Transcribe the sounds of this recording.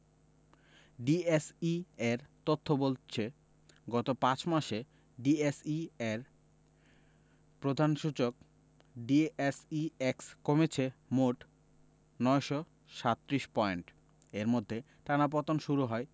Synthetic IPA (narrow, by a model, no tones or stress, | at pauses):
ɖiesieɾt̪ot̪ʰːobolt͡ɕʰe | ɡɔt̪opãt͡ɕmaʃe | ɖiesieɾ | pɾod̪ʱanʃut͡ɕok | ɖiesiekskomet͡ɕʰemoʈ | nɔeʃɔ | ʃat̪ːɾiʃpɔeɳʈ | eɾmod̪ʱːe | ʈanap̬ɔt̪onʃuɾuɦɔe